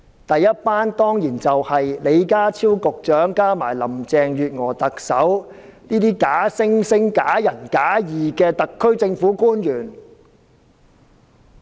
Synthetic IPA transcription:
t̪ɐ˨jːɐ˥t̚paː˥nt̪ɔː˥ŋjiː˨˩nt͡sɐ˨whɐ˨jle˨˧jkaː˥t͡sʰiː˥wkʊ˨k̚t͡ʃœː˨˥ŋkaː˥maː˨˩jlɐ˨˩mt͡sɛː˨˧ŋjyː˨t̚ŋɔː˨˩t̪ɐ˨k̚sɐ˨˥w | niː˥t̪iː˥kaː˨˥sɪ˥ŋsɪ˥ŋkaː˨˥jɐ˨˩nkaː˨˥jiː˨kɛː˧t̪ɐ˨kʰːɵ˥ɥt͡sɪ˧ŋfuː˨˥kuː˥njyː˨˩n

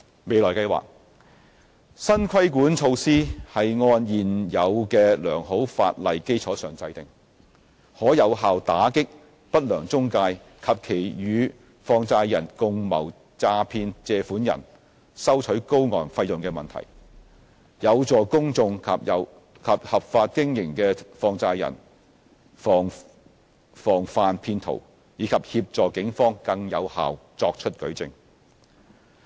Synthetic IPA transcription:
me˨˧jlɔː˨˩jkɐ˧jwa̰ː˨k̚ | sɐ˥nkʰɐ˥jkuː˨˥nt͡ʃʰo˧wsiː˥hɐ˨jŋɔː˧njiː˨˩njɐ˨˧wkɛː˧lœː˨˩ŋɦo˨˥wfa̰ː˧t̚lɐ˨jke˥jt͡ʃʰɔː˨˥sœː˨ŋt͡sɐ˧jt̪ɪ˨ŋ | hɔː˨˥jɐ˨˧wɦaː˨wt̪aː˨˥kɪ˥k̚ | pɐ˥t̚lœː˨˩ŋt͡sʊ˥ŋkaː˧j | kʰɐ˨p̚kʰe˨˩jjyː˨˧ | fɔː˧ŋt͡saː˧jjɐ˨˩nkʊ˨˧ŋmɐ̰˨˩w | t͡saː˧pʰiː˧nt͡sɛː˧fuː˨˥njɐ̰˨˩n | sɐ˥wt͡ʃʰɵ˨˥ɥko˥wŋɔ̰ː˨˩nfɐ˧jʊ˨ŋkɛː˧mɐ˨nt̪ʰɐ̰˨˩j | jɐ˨˧wt͡sɔː˨kʊ˥ŋt͡sʊ˧ŋkʰɐ˨pɐ˨˧w | kʰɐ˨p̚hɐ˨p̚faː˧t̚kɪ˥ŋjɪ˨˩ŋkɛː˧fɔː˧ŋt͡saː˧jɐ̰˨˩n | fɔː˨ŋ | fɔː˨˩ŋfaː˨˧npʰiː˧nt̪ʰo̰˨˩w | jiː˨˧kʰɐ˨p̚hiː˧p̚t͡sɔː˨kɪ˨˥ŋfɔː˥ŋkɐ˧ŋjɐ̰˨˧wha̰ː˨wt͡sɔː˧k̚t͡ʃʰɵ˥t̚kɵ˨˥ɥt͡sɪ̰˧ŋ

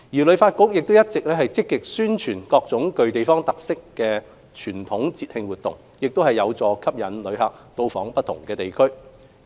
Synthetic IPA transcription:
jiː˨˩lɵ˨˧˥ɥfaː˧t̚kʊ˥k̚jɪ˨k̚t̪o˥wjɐ˥t̚t͡sɪ˨k̚lɛː˥hɐ˨jt͡sɪ˥kːɪ˨k̚syː˥nt͡ʃʰyː˨˩nkɔː˧k̚t͡sʊ˨˥ŋkɵ˧ɥt̪e˨jfɔː˥ŋt̪ɐ˨k̚sɪ˥kːɛː˧ | t͡ʃʰyː˨˩nt̪ʰʊ˨˥ŋt͡siː˧t̚hɪ˧ŋwuː˨t̪ːʊ̰˨˩ŋ | jɪ˨k̚t̪whɐ˨jːɐ˨˧wt͡sɔː˨˧kʰɐ˥p̚jɐ˨˥nlɵ˨˧ɥhɐ˨k̚t̪o˧wfɔː˨˥ŋpɐ˥t̪̚ʰʊ˨˩ŋkɛː˧t̪e˨jkʰɵ˥ɥ

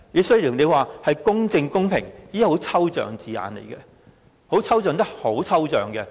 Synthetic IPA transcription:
ji˨˧sɵ˥jli˨˩wne˨˧jwaː˨˧hɐ˨jkʊ˥ŋt͡sɪ˧ŋkʊ˥ŋpʰɪ̰˨˩ŋjiː˥ho˨˥wt͡sʰɐ˥wt͡ʃœ̰ː˨˩ŋt͡siː˨a̰ː˨˧nlḛ˨˩jkɛ˧ | ho˨˥wt͡sʰɐ˥wœː˨˧ŋt̪ɐ˥k̚ho˨˥wt͡sʰɐ˥wt͡sœː˨˩ŋkɛ˧

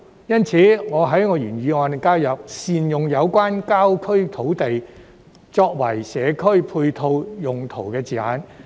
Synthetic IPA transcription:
jɐ˥nt͡sʰiː˨˥ŋɔː˨˧ɦɐ˨˥jŋɔː˨˧jyː˨˩nɥyː˨˧ŋɔː˨˧nt̪e˨˩ŋkaː˥wjɐ˨p̚siː˨njʊ˨ŋjɐ˨˧wkʷaː˥nkaː˥wkʰɵ˥ɥt̪ʰo˨˥wt̪e˨j | t͡sɔː˧k̚wɐ˨˩jsɛː˨˧kʰɵ˥ɥpʰuː˧jt̪ʰo˧wjʊ˨ŋt̪ʰo˨˩wkɛː˧t͡siː˨a̰ː˨˥n

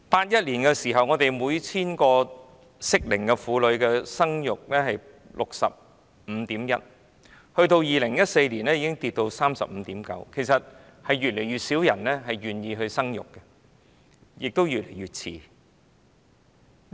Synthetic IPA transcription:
paː˧˥t̚jɐ˥t̚liː˨˩nkɛː˧siː˨˩ɦɐ˨wŋɔː˨˧t̪e˨jmuː˨˧jt͡sʰiː˥nkɔː˧ | sɪ˥k̚lɪ˨˩ŋkɛ˧fuː˨˧lɵ˨˧ɥkɛː˧sɐ˥ŋjʊ˨k̚lɛː˥hɐ˨j | lʔʊ˨k̚sɐ̰˨p̚ | m̩˨˧˦t̪iː˨˥mjɐ̰˥t̚ | hɵ˧ɥt̪o˧wjiː˨lɪ˨˩ŋjɐ˥t̚se˧jliː˨˩nɛː˥jiː˨˧kɪ˥ŋt̪iː˨t̚t̪o˧wsaː˥msɐ̰˨p̚m̩˨˧t̪iː˨˥mkɐ̰˨˧˥wkʰe˨˩jsɐ˨t̚ | hɐ˨jɥyː˨t̚le˨˩jɥyː˨t̚siː˨˥wjɐ˨˩nlɛː˥ɦɐ˨jɥyː˨njiː˧ɦɵ˧ɥsɐ˥ŋjʊ̰˨˩kːɛ˧ | jɪ˨k̚t̪o˥wjy˨t̚le˨˩jyː˨t̚t͡sʰḭː˧

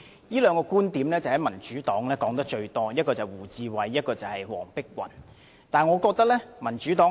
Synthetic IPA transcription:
jiː˥lœː˨˧ŋkɔː˧kuː˥nt̪iː˨˥mlɛː˥t͡sɐ˨˩hɐ˨˥jmɐ˨˩nt͡ʃyː˨˥t̪ɔː˨˥ŋlɛː˥kɔː˨˥ŋt̪ɐ˥k̚t͡ʃɵ˧ɥt̪ɔː˥jɐ˥t̚kɔː˧t͡sɐ˨jwuː˨˩t͡siː˨˧wɐ˨˩jːɐ˥t̚kɔː˧t͡sɐ˨whɐ˨jwɔ̰ː˨˩ŋpɪ˥k̚wɐ̰˨˩n | t̪aː˨nŋɔː˨˧kɔː˧k̚t̪ɐ˥k̚lɛː˥mɐ˨˩nt͡ʃyː˨˥t̪ɔː˨˥

